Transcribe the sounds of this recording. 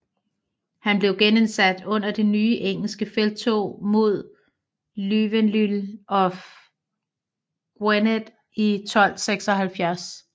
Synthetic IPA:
hænb̥le̝ʊɡ̥enensæd̥ɔ̽n̰ɐd̥e̝nyːʔeŋ̰l̩sɡ̥əfeld̥̚t͡sʰo̝̰ːmo̝ð̞̰ˠ | lyʋenlylʔɒ̽f | ɡ̥ʁened̥ | it͡sʰɒ̽l̰seɡ̥sɒ̽ɦælfjæɐs

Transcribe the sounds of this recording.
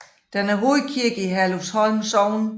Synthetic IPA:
d̥enæɐɦoðkʰiɐɡ̥əiɦæloshɒ̽lmsɒʊn

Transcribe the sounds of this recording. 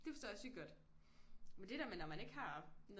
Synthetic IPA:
d̥efɒstɔ̰ːjɑ̈syɡ̥ɒd̥ | mend̥e̝d̥æɐmenɒmæne̝ɡ̥hɑ̈nɔ

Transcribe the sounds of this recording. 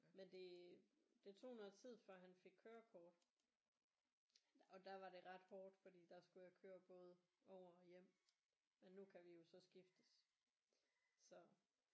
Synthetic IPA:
mend̥e̝d̥e̝t͡sʰo̝̰ːhunɐðˠt͡sʰið̞̰ˠfɶɐ̰ɦænfe̝ɡ̥̚kʰøːɐkʰɒːd̥ | ɒ̽d̥æʋɑ̈ɾe̝ʁɑ̈d̥hɒːd̥fɒd̥ḭːd̥ɑ̈sɡ̥ujɑ̈kʰøːɐb̥ɔ̽ːð̞ˠəɒʊ̰ɐɒ̽jem̰ | menːukʰæʋijo̝sɒ̽sɡ̥ifd̥əs | sɒ̽

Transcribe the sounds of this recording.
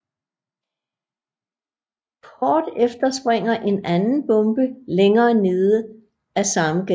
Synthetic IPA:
kʰɒːd̥efd̥ɐsb̥ʁeŋ̰ɐʔe̝nænn̩b̥ɔ̽mb̥əleŋɐːne̝ːðˠə | æsɑ̈məɡ̥e

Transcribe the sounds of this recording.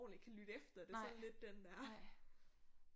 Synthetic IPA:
nl̩e̝ɡ̥kʰælyd̥efd̥ɐd̥e̝sɒ̽n̩le̝d̥ːend̥æɐ

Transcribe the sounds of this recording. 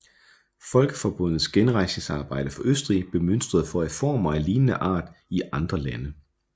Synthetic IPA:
fɒ̽lɡ̥əfɒb̥ɔ̽n̰ð̞̩ˠsɡ̥enʁɑ̈ɪseŋsɑ̈ːb̥ɑ̈ɪ̰d̥əfɒ̽ʔøsd̥ʁḭb̥e̝møn̰sd̥ʁɐð̞̩ˠfɒæfɒ̰ːmɑ̈ɪliːnənəʔɑ̰̈ːd̥iʔɑ̈nd̥ʁɐlænə

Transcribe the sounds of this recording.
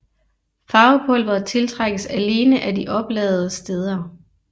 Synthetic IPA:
fɑ̈ːʊpʰɔ̽lʋɐt͡sʰe̝lt͡sʰʁɑɡ̥əsæle̝ːnəʔædiʔɒ̽b̥lɛ̰ːð̞̩ˠəsd̥eːð̞ˠɐ

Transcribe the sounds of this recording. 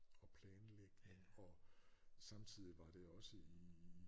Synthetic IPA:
ɒ̽pʰlɛːnleɡ̥neŋɒ̽sɑ̈mt͡sʰið̞̰ˠiʋɑ̈d̥e̝ɒ̽səi

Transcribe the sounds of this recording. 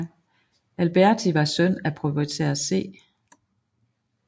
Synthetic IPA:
ælb̥æɐ̰t͡sʰiʋɑ̈sœn̰æpʰʁupʰit͡sʰḛɐse̝̰ː

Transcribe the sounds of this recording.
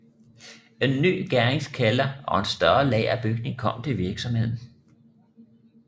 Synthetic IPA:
e̝nːy̰ːɡ̥æɐeŋskʰælɐʔɒ̽ensd̥ɶɐlɛ̰ːɪæb̥yɡ̥ne̝ŋkʰɒ̽m̰t͡sʰe̝ʋiɐɡ̥sɒ̽mhe̝ð̰ˠn̩

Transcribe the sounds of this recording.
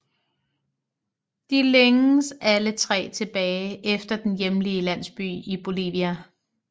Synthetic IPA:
d̥ileŋəsælət͡sʰʁɛ̰ːt͡sʰe̝b̥ɛːɪʔefd̥ɐd̥enjemliəlæn̰sb̥y̰ːib̥o̝lḭːʋiæ

